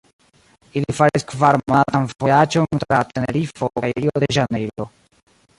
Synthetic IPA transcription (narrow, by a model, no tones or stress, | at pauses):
ilifaɾiskvaɾmatanfojat͡ʃont̪ɾat̪eneɾifokajɾiodeʒanejlo